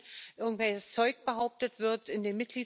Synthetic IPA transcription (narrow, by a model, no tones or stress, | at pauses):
ʔɪɐɡŋ̩tv̥ɛɪçəst͡sɔʏk̚b̥əhaʊp̚tətv̥ɪɐtɪndeːnmɪt̚ɡ̥liː